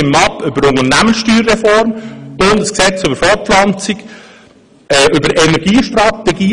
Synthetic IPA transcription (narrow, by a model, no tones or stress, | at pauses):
ɪmːɑpʏbəɾʊŋənæmənsʃtyːrːɛfɔɾmʊndəsksɛt͡sʏbəɾfɔɾflɑnt͡sik | ɛʔʏbəɾɛnɛɾɡ̥iːʃtrɑt̪ɛɡiː